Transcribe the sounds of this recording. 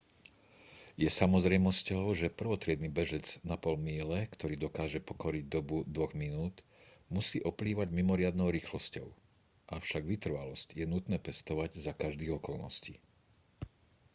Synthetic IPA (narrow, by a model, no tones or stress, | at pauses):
jɛsamɔzɾɛjmɔscɔʊʒɛpr̩ʋɔt̪ɾɪɛd̪niːbɛʒɛd͡znapɔlmiːlɛkt̪ɔɾiːd̪ɔkaːʒɛpɔkɔɾiɟ̚d̪ɔbud̪ʋɔɣminuːt̪musiːʔɔpliːʋaɟmimɔɾɪad̪nɔʊɾiːxlɔscɔʊ | ʔaʊʃaɡʋit̪r̩ʋalɔscjɛnut̪nɛːpɛst̪ɔʋaɟzakaʒd̪iːɣɔkɔlnɔ̰sci